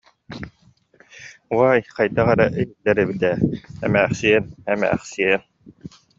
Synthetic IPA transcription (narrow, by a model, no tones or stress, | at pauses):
uwaːjqajt̪aʁɛɾaʔejildːɛɾɛbit̪ɛːɛmæːχsiɛnɛmæ̰ːχsiɛn